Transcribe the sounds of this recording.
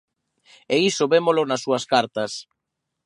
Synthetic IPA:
eisoβemolʊnɐsːuɐskaɾt̪ɐs

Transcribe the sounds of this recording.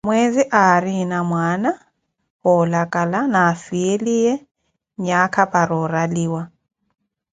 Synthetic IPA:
mweziʔaɾinamwaːna | hʊlakʼalanaːfielijɛ | ɲakʰapʼaɾɔɾaliːwa

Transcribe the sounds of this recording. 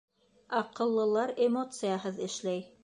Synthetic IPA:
ɑqɤ̆lˠːɤ̆lˠɑɾemot̪sɨjaɦɤðɘ̆ʃlæj

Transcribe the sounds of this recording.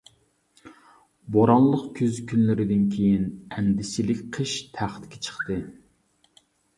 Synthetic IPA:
boɾɑnlˠəqkʲʰyzkʲynlɪɾɪd̪ɪnkʲʰejinɛnd̪ɪsilɪkʲqʰəʃt̪ʰæχt̪kʲɛ̥t͡ʃʰə̥χt̪ɨ

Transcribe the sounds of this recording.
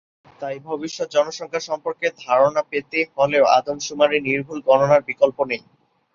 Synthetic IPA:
t̪ajbʱobiʃːot̪̚d͡ʑɔnoʃɔŋkʰaʃɔmpoɾked̪ʱaɾonapet̪efɔleoa̰d̪omʃumaɾiniɾbʱulɡɔnonaɾbikolponej

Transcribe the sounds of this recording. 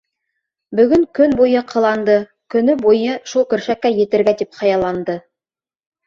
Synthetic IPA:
bɵ̆ɡɵŋkɵnbujɤqʰɤ̆lˠɑnd̪ɤ | kɵ̆nɵbojɤʃulˠkɵ̆ɾʃækːæjĕt̪ɘ̆ɾɡæd̪ipχɑjɑlˠɑnd̪ɤ

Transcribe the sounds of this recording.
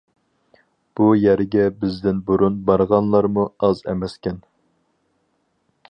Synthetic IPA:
b̥ujæɾɡʲɛbɪzd̪ɪnboɾunbɑɾʁɑnlˠɑɾmuɑzɛ̰mɛskʲɛn

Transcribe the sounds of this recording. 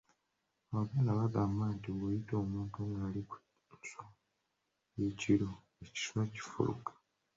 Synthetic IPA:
aβaɡalaβaɡaːmbantiβojito̞ːmuːntunaaliku | so | jeciɾo | eci̥swaci̥fṵlṵkḁ

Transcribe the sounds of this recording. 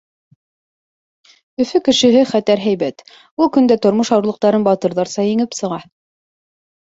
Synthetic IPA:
ɵ̆fɘkɘ̆ʃɘ̆ɦɘχæt̪æɾɦæjβæt̪ | ulˠkɵ̆nd̪æt̪ŏɾmɤʃɑwɾlˠɤ̆q̚t̪ɑɾɤnbɑt̪ɤ̆ɾðɑɾsɑjɘ̆ŋɘpsɤ̆ʁɑ

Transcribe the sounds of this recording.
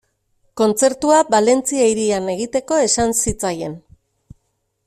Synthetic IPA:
ko̞nt͡se̞ɾt̪uabale̞nt͡sieiɾiane̞ɣ̞it̪e̞ko̞e̞sansit͡saje̞n

